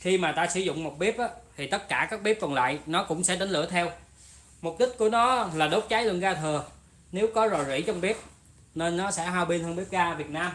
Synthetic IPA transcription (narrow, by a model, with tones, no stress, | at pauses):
xi˧maː˨˩t̪aː˧sɨ̰˧˩˦zʊ̰˧˨ŋ͡mmo˨˩t̚ɓi˦˥əp̚ʔaː˨˦t̪ʰi˨˩t̪ə˦˥t̚kaː˧˩kaː˦˥k̚ɓi˦˥p̚kɔ˨˩nla̰ː˧˨jnɔ˨˦kʊ̰˧˥ŋ͡msɛ̰˧˥ɗa˨˦n̟lɨ̰˧˩ət̪ʰɛ˧w | mʊ˨˩k͡p̚ɗï˦˥k̟̚ku˧˩ənɔ˨˦laː˨˩ɗo˨˦˥t̚t͡ɕaː˨˦jlə˨˧˨ənɣaː˧t̪ʰɨ˨˩ə | ne˨˦wkɔ˨˦zo˨˩jzḭ˧˥t͡ɕɔ˧wŋ͡mɓi˦˥əp̚ | ne˧nːɔ˨˦sɛ̰˧˥ɦaː˧wɓi˧nt̪ʰə˧ŋɓi˦˥p̚ɣaː˧vi˨˩ət̚naː˧m